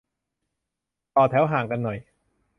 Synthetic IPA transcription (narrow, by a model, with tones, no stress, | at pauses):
t̪ɔː˨˩t̪ʰɛː˦wɦaː˨˩˦ŋka˧nːɔ˨˩j